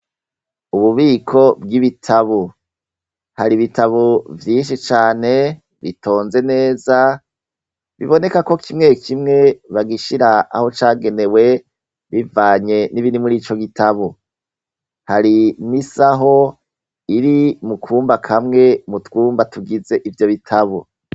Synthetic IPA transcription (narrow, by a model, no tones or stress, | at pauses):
uβuβiːkʰo̞bɡiβitʰaβo | haɾiβitaβovjiːnʃit͡ʃaːne̞ | βitʰo̞ːnze̞ne̞ːza | βḭβo̞ne̞kako̞kʰimŋe̞kʰimŋe̞βaɡiʃiɾaa̰ho̞t͡ʃaːɡe̞ne̞we̞ | βivaːɲe̞niβinimuɾiːt͡ʃo̞ɡitaβo | haɾinisaɦo̞ | iɾimukʰuːmbakʰamŋe̞mutɡuːmbatuɡize̞ʔivjo̞βitʰaβo̰